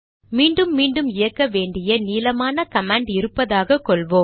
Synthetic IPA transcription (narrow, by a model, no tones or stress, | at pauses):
miːɳɖɯmːiːɳɖɯmɪjɐkːɐʋeːɳɖɪjɐniːlɐmaːnɐkɐmaːɳɖɪɾɯpːɐðaːɣɐkːɔɭʋoː